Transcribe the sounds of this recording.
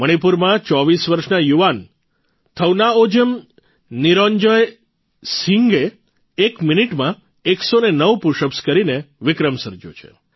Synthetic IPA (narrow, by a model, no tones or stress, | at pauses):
məɽ̃ipuɾmãt͡ʃɔʋisʋəɾʃnajuʋan | t̪ʰəwnaod͡ʒəm | niɾɔɲd͡ʒəj | siŋɡeː | kminiʈmã | eksonenəʋpuʃəpskəɾineʋɪkɾəmsəɾd͡ʒo̰t͡ʃʰḛ